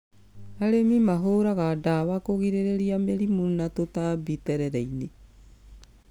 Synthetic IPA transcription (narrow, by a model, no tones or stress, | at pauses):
aɾemimaɦoɾaɣadawakoɣiɾeɾeɾiameɾimunatotabitɛɾɛɾɛine